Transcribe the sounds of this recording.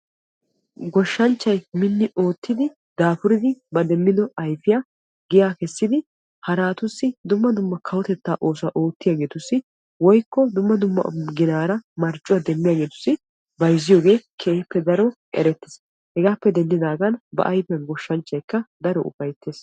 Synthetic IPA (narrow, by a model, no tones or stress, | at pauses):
ɡɔʃːɐnt͡ʃːɐjmɪnːɪʔo̞ːt̪ːɪd̪ɪ | d̪aːfʊɾɪd̪ɪbɐd̪ɛmːɪd̪ɔɐjfɪjaː | ɡɪjaːkɛsːɪd̪ɪ | hɐɾaːt̪ʊsːɪd̪ʊmːɐd̪ʊmːɐkʰɐwɔt̪ɛt̪ːaːʔo̞ːsʊɐʔo̞ːt̪ːɪjaːɡe̞ːt̪ʊsːɪ | wɔjkːɔd̪ʊmːɐd̪ʊmːɐ̰ɡɪnaːɾɐmɐɾt͡ʃʼːʊwɐd̪ɛmːɪjaːɡe̞ːt̪ʊ̥sːɪ | bɐjzɪjo̞ːɡe̞ːkʰeːhpːɛd̪ɐɾɔʔʼɛ̰ɾɛt̪ːɪ̥s | hɛɡaːpːɛd̪ɛnd̪ɪd̪aːɡɐnbɐ̰ʔɐjfɐnɡɔʃːɐnt͡ʃːɐjkːɐd̪ɐɾɔʊ̰pɐjt̪ːeːs